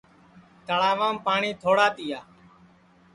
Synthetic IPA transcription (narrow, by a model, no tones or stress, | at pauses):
t̪əɽaːʋãːmpaːɳiːt̪ʰoːɽaːt̪iːjaː